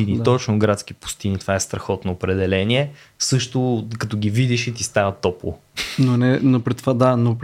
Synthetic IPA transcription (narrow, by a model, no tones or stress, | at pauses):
init̪ɔt͡ʃnʊɡɾat̪skipu̥st̪init̪ovaɛst̪ɾɐxɔt̪noːpɾɛd̪ɛlɛniɛ | sɤʃt̪ʊkɐt̪oɡivid̪iʃit̪ist̪avət̪ɔplˠo̰nonɛnopɾit̪vad̪anop